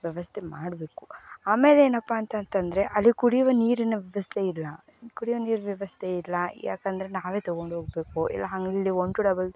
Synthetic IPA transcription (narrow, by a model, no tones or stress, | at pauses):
ʋjɛʋɐst̪ʰemaːɽbe̞ːkuaːme̞ːleeːnɐpːaːnt̪ɐnt̪ɐnd̪ɾe̞ʔɐlːikuɽijʋɐniːɾɐnɐʋjɐʋɐst̪ʰeilːɐ | kuɽiʋɐniːɾɐʋjɛʋɐst̪ʰeilːɐja̰ːkɐnd̪ɐɾenaːʋeːt̪ɔɡo̞ɳɖɦoːɡbe̞ːkuʔḭlːɐɦɐŋɡlilːioɳɖuɖɐbɐl